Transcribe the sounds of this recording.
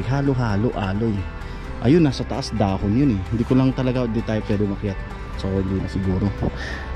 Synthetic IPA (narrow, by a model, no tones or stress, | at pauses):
ɡɦaːloɦaːloʔaːloj | ʔɐjonːɐsɐt̪ɐʔasd̪aːhonjonɛhɪnd̪iːkolɐŋt̪ɐlɐɡad̪it̪aːjopwɛːd̪ɪmɐkɪjat̪̚ | sɐkohɪnd̪iːnɐsɪɡuːɾo